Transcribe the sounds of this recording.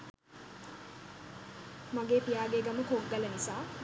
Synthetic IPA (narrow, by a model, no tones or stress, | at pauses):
maɡeːpijaːɡeːɡaməkoɡːələnisaː